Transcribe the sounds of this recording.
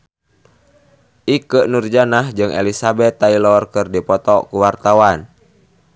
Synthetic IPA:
ʔikəʔnurd͡ʒanahd͡ʒɨŋʔɛ̰lisabɛt̪ːailɔrkɨrdipɔt̪ɔkuwart̪awan

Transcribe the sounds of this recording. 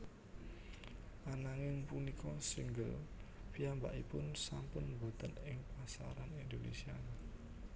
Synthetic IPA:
ʔanaŋɪŋpunikʰɔsiŋɡəlpiambaʔipʊnsampʊnbṳt̪ənɪŋpasa̰ɾanind̪onḛsianɪ

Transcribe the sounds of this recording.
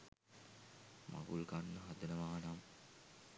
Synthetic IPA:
mʔa̰ɡulɡanːəɦad̪enəʋaːnam

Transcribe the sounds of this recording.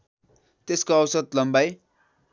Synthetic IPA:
t̪eskoʌwsʌd̪̚lʌmbaj

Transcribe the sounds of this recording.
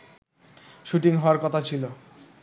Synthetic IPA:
ʃuʈiŋɦɔoaɾkɔt̪ʰat͡ɕʰilo

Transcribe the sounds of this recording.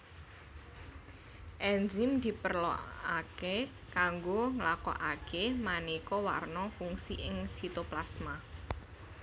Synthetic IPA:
ʔɛnd͡ʒɪmd̪̥i̤pərlɔ̰ake | kaŋɡoŋlakɔ̰ʔakemanikɔwa̰rnɔfuŋsiʔɪŋsit̪oplasma

